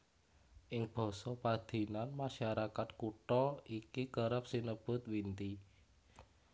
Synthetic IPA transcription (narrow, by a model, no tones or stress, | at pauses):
ʔɪŋb̥ɔ̤sɔpad̪̥i̤nanmaʃaɾakat̪̚kuʈɔikikəɾəp̚sinəb̥ʊ̤t̪wint̪i